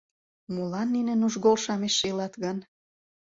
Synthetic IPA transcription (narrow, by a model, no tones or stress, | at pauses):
mulɑnːinenuʒɣolʃɑmeʃːelɑt̪ɣɑn